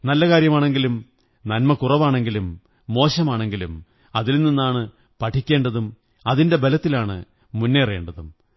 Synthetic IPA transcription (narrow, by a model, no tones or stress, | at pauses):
nɐlːɐkaːɾjɐmaːɳe̞ŋɡilum | nɐnmɐkurɐʋaːɳe̞ŋɡilumː | o̞ːɕɐmaːɳe̞ŋɡilum | ɐðilninːaːɳɨ | pɐʈʰikʲːe̞ːɳɖɐðum | ɐðinde̞bɐlɐt̪ːilaːɳɨ̰ | munːere̞ːɳɖɐðum